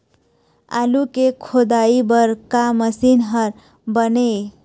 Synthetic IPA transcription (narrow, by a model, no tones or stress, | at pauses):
a̰lukekʰod̪aibəɾkaməsinɦəɾ | bəne